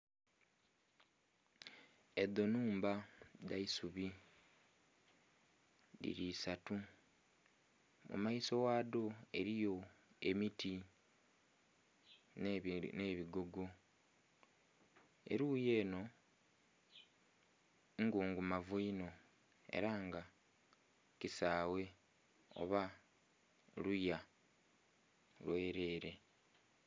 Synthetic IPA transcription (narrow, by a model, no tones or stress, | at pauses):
ed̪o̞nuːmbadaisuβi | dḭɾiːsatu | mṵmaiso̞waːdo̞e̞̰ɾijo̞e̞miti | nneβiɡoɡo | e̞̰ɾuːje̞ːno̞ | ŋɡuːŋɡumavuino̞ | e̞̰ɾaːŋɡa | cisaːwe̞ | o̞̰βa | luja | lwe̞ːɾe̞ːɾe̞